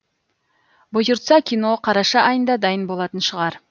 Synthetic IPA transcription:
bʊjʊɾt̪sɑkʲʰino̞qʰɑɾɑʃɑʔɑjənd̪ɑd̪ɑjənbo̞lˠɑt̪ənʃəʁɑɾ

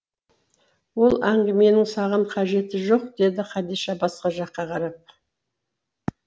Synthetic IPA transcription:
wo̞lˠæŋɡʲɪme̞nɪŋsɑʁəɴqʰɑʒe̞t̪ɪʒo̞qd̪̥e̞d̪ɪqʰɑd̪iʃɑbɑsqɑʒɑqːɑqʰɑɾɑp̚

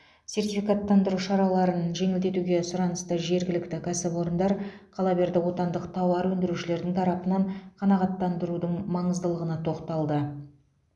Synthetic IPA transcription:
sʲe̞rt̪ifʲikɑt̪ːɑnd̪əɾuʃɑɾɑlˠɑɾənʒe̞ŋɪld̪e̞t̪uɡʲe̞sʊɾɑnəst̪əʒe̞ɾɡʲɪlɪkt̪ɪkʲʰæsɪpwo̞ɾənd̪ɑɾqʰɑlˠɑbe̞ɾd̪ɪwo̞t̪ɑnd̪əqt̪ʰɑwɑɾwɵnd̪ɪɾuʃɪle̞ɾd̪ɪŋt̪ʰɑɾɑpənɑɴqʰɑnɑʁɑt̪ːɑnd̪əɾud̪əɴmɑɴəzd̪əlˠəʁənɑt̪ʰo̞qt̪ɑlˠd̪ə

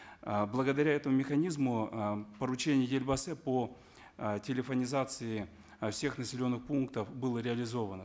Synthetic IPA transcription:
blˠəɡəd̪ɐɾʲaɛt̪əmʊmʲɪxɐnʲizmʊpəɾʊt͡ɕenʲɪjʊd̪ʲelʲbəsɛpo | tʲɪlʲɪfənʲɪzat̪sɨɪ | fsʲe̞xnəsʲɪlʲo̞nːɨxpunkt̪əfbɨlˠəɾʲɪɐlʲɪzovənə

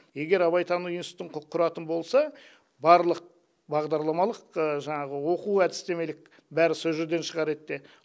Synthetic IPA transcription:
je̞ɡʲe̞ɾɑβɑjt̪ʰɑnujənst̪əɴqqʰːʊɾɑt̪ənbo̞lˠsɑ | bɑɾlˠəq̚ | bɑʁd̪ɑɾlˠɑmɑlˠəqəʒɑɴɑʁəwo̞quæd̪ɪ̥st̪e̞me̞lɪk̚ | bæɾɪsɵzʒed̪e̞nʃəʁɑɾe̞t̪ːe

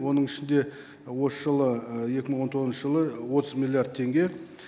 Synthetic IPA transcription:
wo̞nəɴɪʃɪnd̪e̞ | wo̞səʒəlˠəjekʲɪməɴwo̞nt̪ʰo̞ʁznʃəʒəlˠəwo̞t̪əzmilˠijard̪̚t̪ʰe̞ŋɡʲe̞

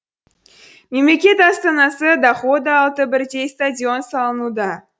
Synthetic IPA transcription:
me̞mle̞kʲe̞t̪ɑst̪ɑnɑsəd̪ɑχo̞d̪əɑlˠt̪əbɪɾd̪e̞jst̪adʲio̞nsɑlˠənud̪ɑ

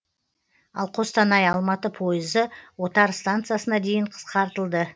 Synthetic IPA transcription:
ɑ̰lˠqʰo̞st̪ɑnɑjɑlˠmɑt̪əpʰo̞jəzəwo̞t̪ɑɾst̪ant̪sɨjasənɑd̪e̞jɪɴqʰə̥sqɑɾt̪əlˠd̪ə

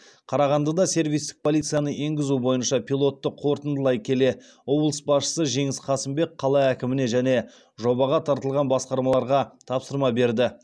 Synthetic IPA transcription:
qʰɑɾɑʁɑnd̪ɑd̪ɑse̞ɾvijst̪ɪ̥k̚pʰo̞lˠit̪sɨjɑnəʔe̞ŋɡʲɪzubo̞jənʃɑpʰʲilˠo̞t̪ːəqʰo̞ɾt̪ənd̪əlˠɑjkʲʰe̞le̞ | wo̞blˠəsbɑsʃə̥səʒe̞ŋɪsqʰɑsɪmbe̞k̚qʰɑlˠɑækʲɪmɪne̞ʒæne̞ | ʒo̞bɑʁɑt̪ʰɑɾt̪əlˠʁɑnbɑsqɑɾmɑlˠɑɾʁɑt̪ʰɑpsəɾmɑbe̞ɾd̪ɪ

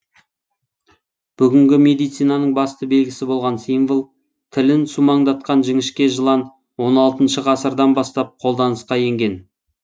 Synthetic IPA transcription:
b̥ʏɡʲɪŋɡʲɪme̞d̪ijt̪sijnɑnəɴbɑst̪əbe̞lɡʲɪsɪbo̞lˠʁɑnsimvəlˠ | t̪ʰɪlɪnsumɑɴd̪ɑt̪̚qɑnʒɪŋɪʃkʲe̞ʒəlˠɑn | wo̞nɑlˠt̪ənʃəʁɑsəɾd̪ɑnbɑst̪ɑp̚qʰo̞lˠd̪ɑnəsqɑje̞ŋɡʲe̞n

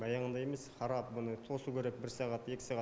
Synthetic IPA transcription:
bɑjɑʁənd̪ɑje̞me̞sχɑɾɑp̚bʊnət̪ʰo̞sukʲʰe̞ɾek̚bɪɾsɑʁɑt̪e̞kʲɪ̥sɑʁɑ

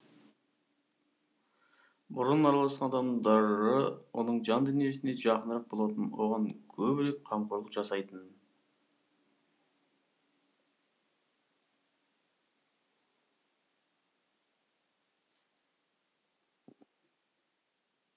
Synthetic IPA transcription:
bʊɾənɑɾɑlˠɑsqɑnɑd̪ɑmd̪ɑɾəwʔo̞̰nəɴʒɑnd̪ɵnije̞sɪne̞ʒɑqənəɾɑq̚bo̞lˠɑt̪ənwo̞̰ʁɑŋkʲʰɵbɪɾe̞k̚qʰɑmqoɾlˠəqʒɑsɑjt̪ən

